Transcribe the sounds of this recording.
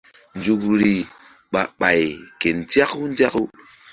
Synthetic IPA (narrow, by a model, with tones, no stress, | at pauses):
n˨d͡ʒu˨kɾi˨ | ɓa˨ɓa˨jke˨nd͡ʒa˦ku˦n˦d͡ʒa˦ku˦